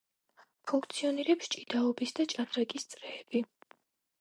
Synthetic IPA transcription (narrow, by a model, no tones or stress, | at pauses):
pʰuŋkʰt̪sʰiɔniɾɛpst͡ʃʼid̪aɔbisd̪at͡ʃʼaɾɾɛɡʼist̪sʼɾɛːb̥i